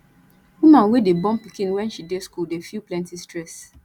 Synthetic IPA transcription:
wumãnwedebɔ̃mpikĩnwɛ̃nʃideskuldefilplɛ̃ntistɹɛs

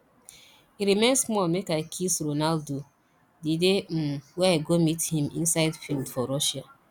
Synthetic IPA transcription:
iɾimẽnsmɔlmekaɪkʰisɾonaldo | didem̩wɛaɪɡomithĩmḭ̃nsaɪdfildfɔɾɔʃa

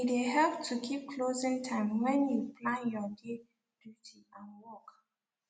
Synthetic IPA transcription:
ideɦɛlptʰukʰip̚kʰlozĩŋtʰãɪ̃mwɛ̃njupʰlãnjɔde | d̥jutʰiãnwɔk

